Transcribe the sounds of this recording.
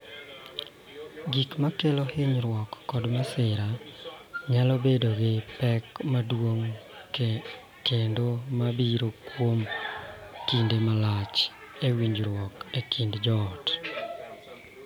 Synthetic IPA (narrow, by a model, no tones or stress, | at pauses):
ɡikmakelɔhɪɲɾwɔkːɔdmasɪɾa | ɲalɔbedoɡɪpɛkmadwoŋ | kendomabiɾokwom | kindemalat͡ʃ | ewiɲd͡ʒɾwɔkekʰindd͡ʒɔːt